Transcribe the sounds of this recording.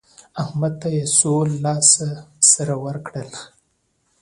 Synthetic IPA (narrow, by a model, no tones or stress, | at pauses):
ahmad̪̚t̪ajesolːɑsasaɾawəɾkɽəl